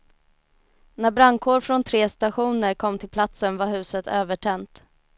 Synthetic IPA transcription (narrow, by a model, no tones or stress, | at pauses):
næbɾaŋkʰoːɾfɾɔnt̪ʰɾeːst̪aɧuːnəɾkʰɔmːt̪ʰɪlpʰlat̪sənvaɾɦʉ̟ːsət̪ʰøːvəʈʰɛnt̪